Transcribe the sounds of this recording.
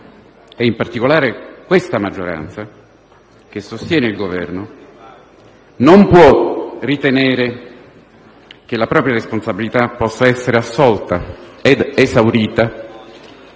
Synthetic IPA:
ɛimpart̪ikolaːɾekwest̪amad͡ʒːoɾa̰nt̪sa | k̟esːost̪jɛːneilɡovɛ̰rno | nompwɔrit̪eneːɾe | k̟elapɾɔːpɾjaɾesponsabilit̪apːɔsːaɛsːeɾeasːɔlt̪aed̪ezawɾiːt̪a

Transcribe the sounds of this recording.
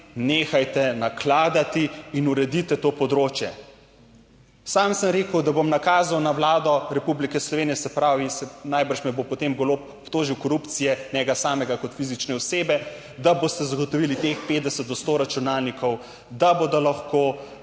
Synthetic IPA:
neːxajt̪ɛnaklaːd̪at̪iːnuɾɛd̪it̪ɛt̪oːpɔd̪ɾoːt͡ʃjɛ | samsəmɾeːkəwd̪abomnakaːzawnawlaːd̪ɔɾɛpublikɛslɔʋeːnijɛsɛpɾaːʋisɛnajbəɾʃmɛbopɔt̪emɡolopɔpt̪oːʒiwkɔɾupt̪sijɛnɛɡasaːmɛɡakɔt̪fizit͡ʃnɛɔseːbɛ | d̪aboːst̪ɛzaɡot̪ɔʋilit̪expeːt̪d̪ɛsət̪̚d̪ɔst̪oːɾat͡ʃunaːlnikʰɔw | d̪abod̪ɔlaxko

